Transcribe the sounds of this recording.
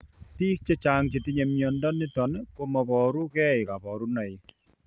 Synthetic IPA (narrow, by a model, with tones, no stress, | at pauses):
tiː˦k̚t͡ʃe˦t͡ʃa˦ŋt͡ʃi˨ti˦ɲe˨mjɔ˨ndɔ˦ni˦tɔ˨nko˦mɔ˨pɔ˨ɾu˦kɛ˦ɪ˨ka˨pɔ˨ɾu˦na˨i˨